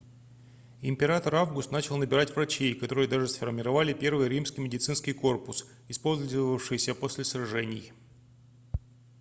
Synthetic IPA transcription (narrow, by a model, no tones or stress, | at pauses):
ɪmʲpʲɪɾat̪əɾavɡʊst̪nat͡ɕɪlˠnəbʲɪɾatʲvrɐt͡ɕejkɐt̪o̞ɾɨjəd̪aʐɨsfərmʲɪɾɐvalʲɪpʲe̞rvɨjəɾʲimskʲɪjmʲɪdʲɪt̪sɨnskʲɪjko̞rpʊs | ɪspo̞lʲzzəvəfʂɨjsʲəpo̞sʲlʲɪsɾɐʐɛnʲɪj